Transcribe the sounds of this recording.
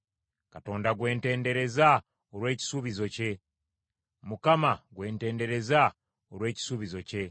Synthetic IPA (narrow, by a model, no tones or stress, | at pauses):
kato̞ːndaɡwe̞ːnte̞ːnde̞ɾe̞za | oɾwe̞ːci̥suβizo̞ce̞ | mukamaɡwe̞ːnte̞ːnde̞ɾe̞za | oɾwe̞ːci̥suβizo̞ce̞